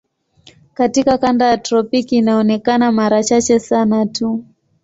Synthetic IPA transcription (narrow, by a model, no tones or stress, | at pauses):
katikakandajatɾɔpikiːnaɔnɛkanamaɾat͡ʃat͡ʃɛsanatʰu